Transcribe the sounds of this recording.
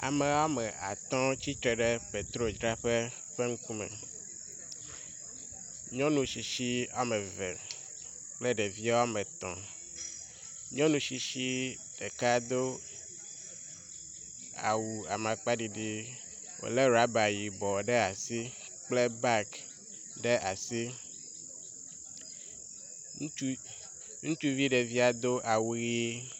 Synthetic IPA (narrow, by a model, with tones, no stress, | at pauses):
a̰˨me˨wa˦mɛ˨ʔa̰˨t̪ɔ̃˦t͡ɕi˦t̪ɾɛ˨ɖe˦pe˨t̪ɾo˦d͡ʒɾa˦ɸe˦ | ɸe˦ŋ̩˦ku˦mɛ̰˨ | ɲɔ̃˦nũ˨ʃi˨ʃi˦a˦me˨vḛ˨ | k͡ple˦ɖe˨vi˦a˦wa˦me˨t̪ɔ̰̃˨ | ɲɔ̃˦nũ˨ʃi˨ʃi˦ | ɖ̥e˨ka˦d̪o˦ | a̰˨wu˨a˨mã˨k͡pa˦ɖi˨ɖi˦ | wo̰˨le˦ɾa˦ba˨ji˨bɔ˨ɖɛ˦a˨si˦ | k͡ple˦ba˦k | ɖe˦ʔa˨si˦ | nũ˦t͡ʃu˦ | ŋũ˦t͡ʃu˦vi˦ɖe˨vi˦a˦d̪o˦ʔa˨wu˦ɣe˦